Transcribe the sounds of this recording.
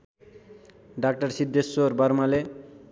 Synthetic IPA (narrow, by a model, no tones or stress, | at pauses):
ɖak̚ʈaɾsid̪ːesːoɾbaɾmale